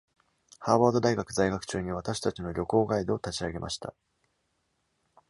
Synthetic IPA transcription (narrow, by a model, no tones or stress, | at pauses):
haːβaːd̪o̞d̪aiɡakɯ̟zaiɡakɯ̟̥t͡ɕɨːɲ̟iβ̞at̪aɕi̥t̪at͡ɕino̞ɾʲo̞ko̞ːɡaid̪o̞ːt̪at͡ɕiaɡe̞mʔa̰ɕi̥t̪a̰